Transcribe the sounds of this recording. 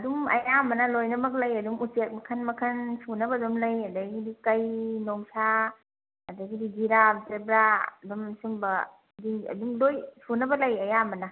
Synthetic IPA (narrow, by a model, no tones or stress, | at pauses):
dumɐ̰jamɐnɐlojnɐmɐk̬̚lɐjɐduŋut͡ʃek̚mɐkʰɐnmɐkʰɐnsunɐbɐdumlɐjɐdaɡidikɐjnoŋsaː | daɡidiɡiɾap̚zebɾaɐ̰dumsumbɐ | diɐ̰dumlojsunɐbɐlɐjɐjamɐna